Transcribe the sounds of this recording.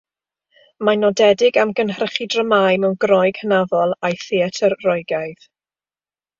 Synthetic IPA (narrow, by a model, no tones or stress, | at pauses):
manɔdɛdɪɡamɡənɦrəχidrəmajmɛwnɡrɔjɡ̥hənavɔlˠajθiatʰərːɔjɡajð̥